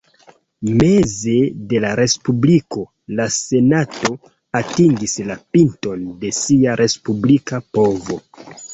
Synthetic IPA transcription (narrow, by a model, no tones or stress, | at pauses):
me̞ze̞de̞laɾe̞spubliko̞ | lase̞nato̞ | atiŋɡislapinto̞nde̞siaɾʔe̞spublikapo̞vo̞